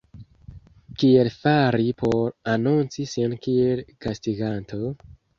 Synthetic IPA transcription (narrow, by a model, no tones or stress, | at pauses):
kie̞lfaɾipo̞ɾanunt͡sisinkielɡ̥astiɡantʰo̞